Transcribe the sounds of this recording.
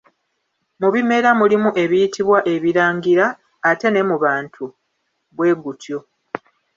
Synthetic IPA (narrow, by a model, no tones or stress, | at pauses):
muβime̞ɾamulimuʔe̞βijitʰiβwaʔe̞βiɾaːŋɡiɾaː | te̞ne̞muβaːntʰu | βwe̞ːɡutʰjo̞